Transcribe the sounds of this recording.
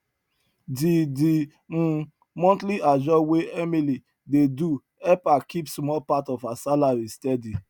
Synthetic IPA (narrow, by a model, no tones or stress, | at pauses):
didi | mɔ̃ntliad͡ʒɔweʔɛmili | dedu | ɛpakʰipsmɔlpatɔfasalaɹistɛdi